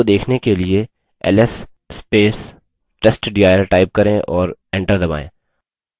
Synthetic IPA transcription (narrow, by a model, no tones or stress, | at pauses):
od̪eːkʰnekelie | ɛ̰lɛs | speːs | ʈɛsʈɖiaːjəɾʈaːɪp̚kɐɾẽʔɔːɾɛ̃ːɳʈəɾd̪ɐba̰ːḛ̃ː